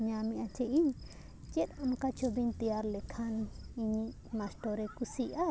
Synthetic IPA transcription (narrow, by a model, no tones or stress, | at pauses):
ɲamiʔat͡ʃɛʔiɲ | t͡ʃɛt̪̚amkat͡ʃobiɲt̪ijaɾlɛkʰaniɲiʔ | masʈɔɾɛkusiʔa